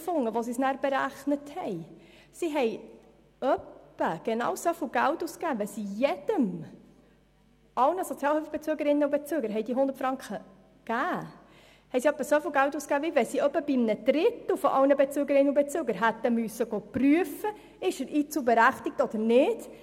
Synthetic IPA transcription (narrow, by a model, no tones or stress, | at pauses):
fʊŋːəʋosisnæːɾb̥eɾæχnəthɛj | siɦɛj | œpːəɡ̥ɛnɑ̰ːwsofɪlɡ̥æltuːskæːʋɛsijɛd̥əm | ɑlnəsɔt͡sjɑːlhøfəb̥et͡syːɡəɾɪnːəubɛt͡syːɡəɾɦɛɪd̥iəɦʊnd̪əɾt̪fɾɑŋkχə | ɡ̥æː | hɛɪsiœpːəsofɪlɡælt̪uːskæːvivɛsiœpːəb̥imnəd̪̥ɾɪt̪l̩fɔʔɑwnəbɛt͡syːɡəɾɪnːəubɛt͡søːɡəɾɦæt̪ːəmysəɡopryəfə | ɪʃəɾʔiːt͡sulbɛɾæχt̪ɪk̚tɔd̥̪əɾnɪd̥